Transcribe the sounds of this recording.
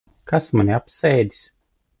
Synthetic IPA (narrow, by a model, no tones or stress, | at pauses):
kasmanʲiapsɛjd̪i̥s